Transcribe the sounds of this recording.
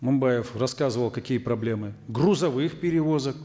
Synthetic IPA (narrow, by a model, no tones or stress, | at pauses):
mɐmbajɪfrɐskazɨvəlˠkɐkʲijəpɾɐblʲe̞mɨɡrʊzɐvɨxpʲɪɾʲɪvo̞zək